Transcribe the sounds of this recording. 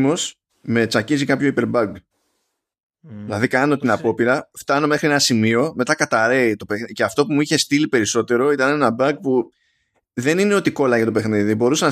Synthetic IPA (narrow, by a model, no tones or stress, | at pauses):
mo̞s | me̞t͡sɐcizikɐpço̞ipe̞ɾbɐɡ | ilɐðikɐno̞t̪inɐpo̞piɾɐft̪ɐno̞me̞xɾie̞nɐsimio̞me̞t̪ɐkɐt̪ɐɾe̞it̪o̞pexce̞ɐft̪o̞pumuiçe̞st̪ilipe̞ɾiso̞t̪e̞ɾo̞it̪ɐne̞nɐbɐɡ̚pu | ðe̞nineo̞t̪iko̞lɐʝɐt̪o̞pe̞xniðibo̞ɾusenɐ